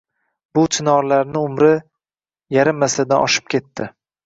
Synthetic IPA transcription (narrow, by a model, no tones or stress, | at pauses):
b̥ʊt̪ʰɪnɒɾlaɾnɪʊmɾɪ | jaɾɪmːasad̪anʔɒ̰ʃɪ̥p̚kʲʰe̞t̪ʰːɪ